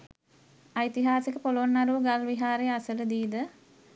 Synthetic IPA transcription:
ajt̪iɦaːsikəpoloʋonːaɾuʋəɡalʋiɦaːɾejasələd̪iːd̪ə

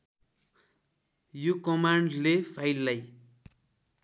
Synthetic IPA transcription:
jokʌmaɳɖlepʰajlːaj

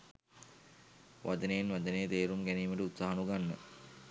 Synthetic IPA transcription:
ʋʔad͡ʒənejenʋad͡ʒənejət̪eːɾumɡæniːməʈəut̪saːɦanuɡanːə̰

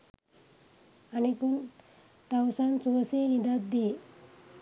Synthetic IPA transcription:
anipun | t̪awsant͡suʋəsenid̪at̪̚d̪e

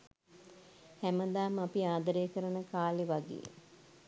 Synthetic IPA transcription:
hæməd̪aːmapiaːd̪əɾeːkəɾənəkaːliʋaɡḛː

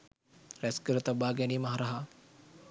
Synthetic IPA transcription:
ræskəɾət̪abaːɡɛniːmaɦaɾaɦa

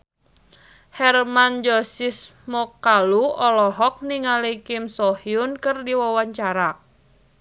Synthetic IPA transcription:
hɛrmand͡ʒɔsɪsmɔkaluɔlɔɦɔk̚niŋalikɪmsɔhiʊnkərdiwɔwaɲt͡ʃaɾa

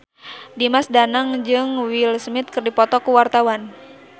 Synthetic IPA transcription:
dimasdanaŋd͡ʒɨŋwilsmɪt̪̚kɨrdipɔt̪ɔkuwart̪awan

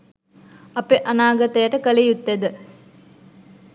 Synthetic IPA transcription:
ɐpeʔɐnaːɡɐt̪ɐjəʈəkəlijut̪ːed̪ə

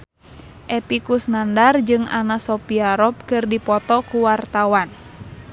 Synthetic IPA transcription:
ʔɛpikusnandard͡ʒɨŋa̰nasɔpiaɾɔp̚kɨrdipɔt̪ɔkuwart̪awan

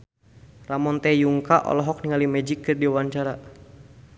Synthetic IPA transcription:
ramɔnt̪ɛjuŋkaʔɔ̰lɔɦɔk̚niŋalimɛd͡ʒikːɨrdiwaɲt͡ʃaɾa

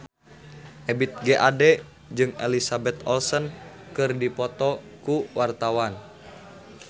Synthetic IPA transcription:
ʔɛbit̪̚ɡeʔadɛ | d͡ʒɨŋelisabɛt̪ɔlsən | kɨrdipɔt̪ɔkuwart̪awan

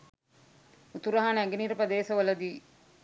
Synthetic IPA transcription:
ut̪uɾɐɦanæɡeniːɾɐpɐd̪eːsɐʋɐlɐd̪iː

